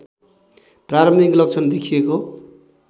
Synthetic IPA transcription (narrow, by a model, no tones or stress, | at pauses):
praɾʌmiklʌk̚t͡sʰʌnd̪ekʰijeko